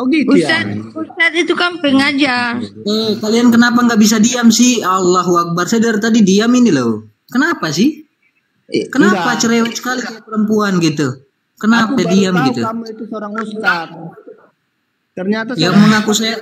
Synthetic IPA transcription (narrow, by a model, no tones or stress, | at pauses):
ɡit̪usat̪̚ust̪at̪it̪ukampəŋad͡ʒaəkaliankənapaŋɡaʔbis̬adiamsɪhalːaɦuak̚barsedərt̪adidiaminilow | kənapasɪh | kənapat͡ʃəɾewɛt̪̚sə̥kalit̪upəɾəmpuanɡit̪u | kənapadiamɡit̪umit̪usəoɾaŋust̪at̪̚ | k̪ərɲat̪ajaməŋakusaja